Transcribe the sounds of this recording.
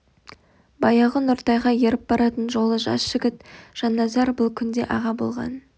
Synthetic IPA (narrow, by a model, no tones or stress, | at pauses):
bɑjɑʁənʊɾt̪ɑjʁɑje̞ɾɪp̚bɑɾɑt̪ənʒo̞lˠəʒɑ̰sʒɪɡʲɪt̪ʒ̥ɑnːɑzɑɾbʊlˠkʲʰʏnd̪e̞̰ʔɑʁɑbo̞̰lˠʁɑ̰n